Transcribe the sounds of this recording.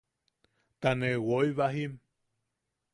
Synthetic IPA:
t̪anewoiβaɦim

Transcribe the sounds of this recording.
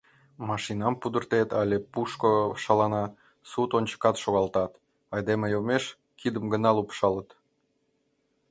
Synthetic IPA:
mɑʃinɑmpud̪ərt̪et̪ɑlʲepuʃkoʃɑlɑnɑ | sut̪onʲt͡ɕə̥kɑt̪ʃoɣɑlt̪ɑt̪ | ɑjd̪emejomeʃ | kʰid̪əmɡənɑlupʃɑlət̪

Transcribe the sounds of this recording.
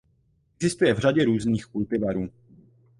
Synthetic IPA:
ʔʔɛɡzɪst̪ujɛvr̝aɟɛɾuːzniːxkult̪ɪvɛɾuː

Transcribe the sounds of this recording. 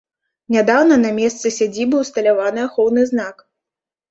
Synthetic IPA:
nʲad̪awnɐnɐmʲɛst̪sɨsʲad͡zʲibɨwst̪ɐlʲavanɨaxɔwnɨzn̪ak

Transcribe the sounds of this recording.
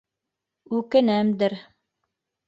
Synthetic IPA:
ʉkɘ̆næmd̪ɘ̆ɾ

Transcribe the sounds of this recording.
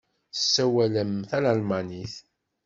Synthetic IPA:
sːæwæləmθælalmaniθ

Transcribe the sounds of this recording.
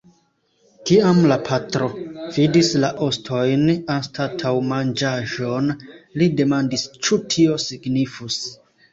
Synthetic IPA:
kiamlapʰatɾo̞vidislaʔo̞stʰo̞jnanstatʰawmand͡ʒaʒo̞nlide̞mandist͡ʃutʰio̞siɡnifus

